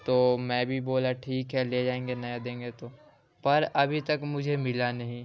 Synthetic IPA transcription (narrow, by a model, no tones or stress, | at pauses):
t̪oːmɛ̃bʱiboːlaʈʰiːkɦɛled͡ʒaːẽːŋɡenɐjad̪ẽːŋ̆ɡet̪o | pɐɾɐbʱit̪ɐkmʊd͡ʒʱemɪlanɐɦĩ